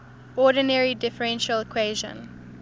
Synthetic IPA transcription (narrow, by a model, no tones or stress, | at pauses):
ɔːdənɛɹidɪfəɹɛ̃nʃəlɪkʰweːʒə̰̃n